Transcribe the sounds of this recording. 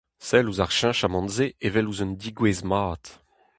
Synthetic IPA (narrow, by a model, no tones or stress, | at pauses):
sɛluzaʁʃɛ̃ʃamɑ̃nzeevɛluzɔnd̪iɡwezmaːt̪